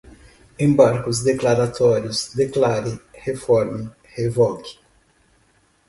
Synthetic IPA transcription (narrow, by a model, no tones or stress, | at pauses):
ẽbaɾkʊzd̪eklaɾat̪ɔɾjʊzd̪eklaɾɪhefɔɾmi | hevɔkɪ̥